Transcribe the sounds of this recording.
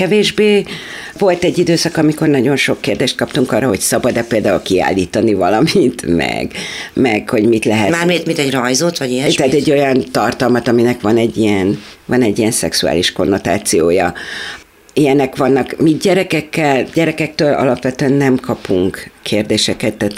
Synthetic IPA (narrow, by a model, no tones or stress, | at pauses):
kɛveːʒbeː | vo̞lt̪ɛɟːid̪øːsɒkɒmiko̞rnɒɟo̞nʃo̞kːeːrd̪eːʃt̪̚kɒpt̪uŋkɒrːɒɦo̞csɒbɒd̪ːɛpeːld̪aːulkia̰ːlːiːt̪ɒnivɒlɒmint̪mɛ̰ɡmɛɡ̥ho̞ɟmit̪lɛɦɛmaːmit̪mint̪ɛɟrɒjzot̪ʋɒɟiɛt̪at̪ɛɟːo̞jɒnt̪ɒrt̪ɒlmɒt̪ɒminɛkʋɒnɛɟːijɛnvɒnɛɟːijɛnsɛksua̰ːliʃko̞nːo̞t̪a̰ːt̪sijoːjɒ | ijɛnɛkʋɒnːɒkmiɟɛɾɛkɛkːɛlɟ̥ɛɾɛkɛk̚t̪øːlɒ̰lɒpʋɛt̪øɛnːɛmkʰɒpuŋkːʰeːrd̪eːʃɛkɛt̪ːat̪